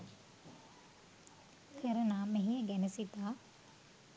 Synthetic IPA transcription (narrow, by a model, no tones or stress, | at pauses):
kʰeɾənaːmeɦijəɡænəsit̪aː